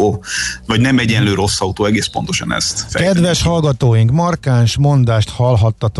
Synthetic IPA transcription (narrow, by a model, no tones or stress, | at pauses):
vɒɟnɛmɛɟɛnløːɾo̞sːɒut̪oːɛɡeːspo̞nt̪oʃɒ̰nɛ̰st̪fɛkɛd̪ʋɛʃhɒlɡɒt̪oːjiŋkmɒrkaːnʃmo̞nd̪aːʃt̪hɒlɦɒt̪ːɒt̪